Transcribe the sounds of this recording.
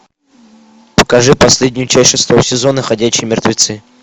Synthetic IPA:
pə̥kɐʐɨpɐsʲlʲedʲnʲʊjʊt͡ɕæsʲʂɨst̪ˠosʲɪzo̞nəxɐdʲæɕːɪjmʲɪrt̪vʲɪt̪sɨ

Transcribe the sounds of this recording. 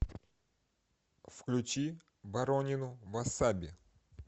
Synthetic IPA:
fklʲʊt͡ɕi | vɐɾonʲɪnʊvasabʲɪ

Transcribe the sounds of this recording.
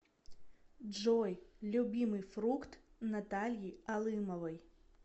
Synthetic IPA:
ʐɔjlʲubʲimɨjfɾukt̪nat̪alʲjialˠɨmɔvɐj

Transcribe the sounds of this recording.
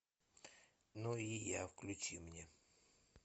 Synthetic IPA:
nuija̰fklʲʉt͡ɕimnʲe

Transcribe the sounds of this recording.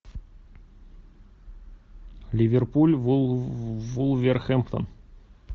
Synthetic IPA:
lʲivʲerpulʲvu | vulˠvʲerxemt̪o̰n

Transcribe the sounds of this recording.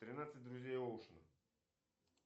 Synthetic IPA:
t̪ɾʲinat̪sət̪̚ʲd̪ɾʊzʲɛjolˠʃənə

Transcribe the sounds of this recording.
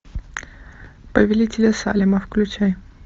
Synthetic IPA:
pəvʲɪlʲitʲɪlʲəsa̰lʲɪmɐfklʲʉt͡ɕaj

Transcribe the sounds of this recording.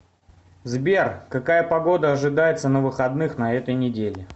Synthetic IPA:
zbʲerkɐkajəpɐɡo̞d̪əɐʐɨd̪ajɪt̪sənəvɨxɐd̪nɨxnɐɛt̪əjnʲɪdʲelʲɪ

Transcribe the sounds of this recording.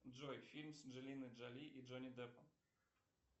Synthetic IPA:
d͡ʐɔjfʲilʲmsʐɛlʲinɘʐalʲiʔiʐɔnʲid̪ɛpɔ

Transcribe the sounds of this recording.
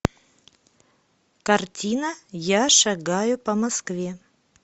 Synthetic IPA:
kɐrtʲinəjaʂɐɡajʊpɐmɐskvʲe

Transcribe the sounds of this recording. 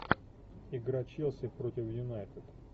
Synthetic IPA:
ɪɡɾɐt͡ɕilˠsʲɪpɾotʲɪfjʊnajt̪ɪd̪

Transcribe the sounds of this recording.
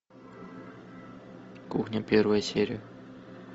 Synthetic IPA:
kuxnʲapʲervəjəsʲeɾʲɪjə

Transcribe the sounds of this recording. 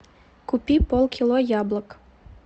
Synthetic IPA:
kupʲipolˠkʲilˠojɑblˠə̆k

